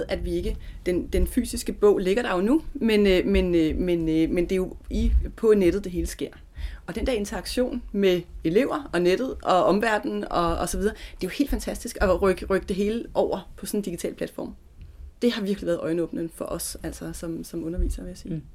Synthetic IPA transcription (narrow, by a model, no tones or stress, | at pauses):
eðˠʔæd̥ʋie̝ɡ̥əd̥end̥enfy̰ːsisɡ̥əb̥ɔ̰̽ʊ̰le̝ɡ̥ɐd̥ɑ̈jo̝numenmenmenmend̥e̝jo̝ipʰɒ̽neɾ̥ð̩ˠd̥e̝ɦe̝ːləsɡ̥e̝ɐ̰ | ɒ̽d̥end̥eɐe̝nt͡sʰɐɑ̈ɡ̥ɕo̝̰ːnmee̝le̝ʊ̰ɐɒ̽ned̥ð̞̩ˠʔɒ̽ɒ̽mʋæɐ̰d̥n̩ɒ̽ːsɒ̽ʋið̞ˠɐd̥e̝johe̝̰ldfænt͡sʰæsd̥isɡ̥ɒ̽ʁɡ̥ʁœɡ̥əd̥e̝ɦe̝ːləʔɒʊ̰ɐpʰɒ̽sɔ̽nn̩d̥iɡit͡sʰɛ̰ːlpʰlæd̥fɒ̰ːm | d̥e̝ɦɑ̈ʋiɐɡ̥liʋæːɐð̩ˠɒ̽ɪnɔːb̥nən̩ˠfɒ̽ʔɒ̽sæl̰sɐsɒ̽msɒ̽mɔ̽nɐʋḭːsɐʋe̝jæsiː